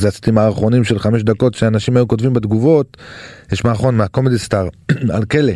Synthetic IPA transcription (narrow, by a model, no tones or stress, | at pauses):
zeasi̥t̪imaːʁχo̞nimʃelχameʃ̬d̪ako̞tʃeaːnaʃimajuko̞tvimbed̪ɡuvo̞tjɛʃmaːχo̞nmeako̞medistaʁa̰lkele